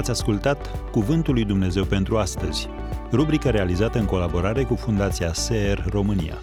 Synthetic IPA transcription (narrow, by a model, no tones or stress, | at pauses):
at̪sʲaskult̪at̪kuvɨnt̪ulːujd̪umne̞ze̞wpe̞nt̪ɾuast̪əz̥ʲ | rubɾikəɾe̞alizat̪əɨŋko̞labo̞ɾaɾe̞kufund̪at̪siaseerːo̞mɨnḭja̰